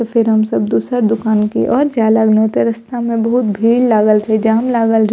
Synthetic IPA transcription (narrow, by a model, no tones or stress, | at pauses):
t̪ofʰɪɾɦɐmsəbd̪uːsəɾd̪ʊkaːnkḭʔɔːɾd͡ʒaːlaɡnoːt̪eɾɐst̪amẽbɐɦʊt̪bʱiːllaːɡəlt̪ʰed͡ʒaɦmlaːɡəlɾ